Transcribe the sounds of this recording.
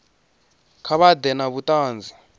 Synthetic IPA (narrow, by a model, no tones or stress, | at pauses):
kʰaβad̪ɛnaβutaːnd͡za